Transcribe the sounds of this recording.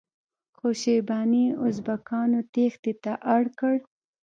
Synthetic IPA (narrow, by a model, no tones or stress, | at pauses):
xoʃebɑniʊzbakɑnot̪ext̪et̪aʔaɽkəɽ